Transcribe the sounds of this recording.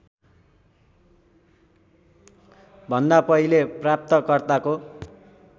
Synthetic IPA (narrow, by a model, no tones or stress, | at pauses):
bʱʌnd̪apʌɦileprap̚t̪ʌkʌrt̪ako